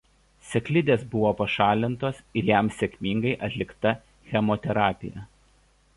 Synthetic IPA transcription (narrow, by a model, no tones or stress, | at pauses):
sʲɛklʲɪd̪ʲeːsbʊʋoːpɐʃɑːlʲɪnt̪oːsɪɾjæˑmsʲɛkʲmʲɪŋɡɐɪʔɐt̪ʲlʲɪkt̪ɐ | xʲɛmot̪ʲɛɾɑːpʲɪ̰jɛ̰